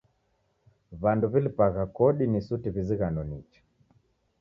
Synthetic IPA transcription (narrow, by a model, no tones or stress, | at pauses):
βanduβilipaɣakɔɗinisutiβiziɣanɔnit͡ʃḁ